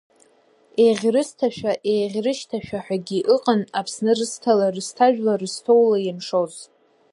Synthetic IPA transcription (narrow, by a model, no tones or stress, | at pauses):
eʁʲrɨstʰaʃᶣaʔejʁʲrɨʃtʰaʃᶣaħʷᶣaɡʲiʔɨqʼənapʰsnɨrɨstʰalarɨstʰaʒᶣlarɨstʰo̞wlajimʂoz